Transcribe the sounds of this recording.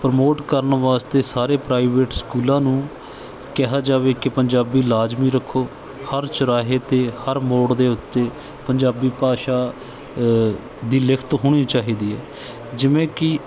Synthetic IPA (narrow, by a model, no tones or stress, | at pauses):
pəɾəmoːʈkəɾənʋaːst̪eːsaːɾeːpɾaːɪʋeːʈskuːlãːnũː | kɛɦaːd͡ʒaːʋeːkɪpəɲd͡ʒaːbiːlaːd͡ʒmiːɾəkʰːoː | həɾt͡ʃəɾaːɦeːt̪eːhəɾmoːɽd̪eːʊt̪ːeː | pəɲd͡ʒaːbiːpaːʃaː | d̪iːlɪkʰt̪ɦoːɽ̃iːt͡ʃaːɦiːd̪iːɛː | d͡ʒɪʋẽːkɪ